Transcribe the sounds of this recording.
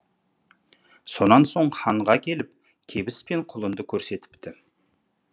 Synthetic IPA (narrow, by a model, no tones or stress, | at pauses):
so̞nɑnso̞ɴχɑɴʁɑkʲʰe̞lɪp̚ | kʲʰe̞bɪspe̞ɴqʰʊlˠənd̪əkʲʰɵɾse̞t̪ɪ̥pt̪ɪ